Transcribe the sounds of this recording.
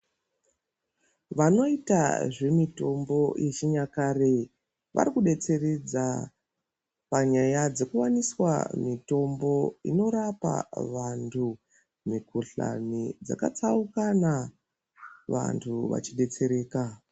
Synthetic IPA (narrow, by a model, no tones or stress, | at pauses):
ʋano̞ita̰ʐe̞mito̞mbo̞jʔet͡ʃiɲakare̞ | ʋʔa̰ɾikuɗe̞t͡se̞red͡za | paɲajad͡ze̞kuwaniswa̰mito̞mbo̞ḭno̞ɾapa̰ʋantʰu | mikuɬa̰nid͡za̰ka̰t͡saukana | ʋa̰ntʰuʋa̰t͡ʃiɗe̞t͡se̞ɾe̞ːka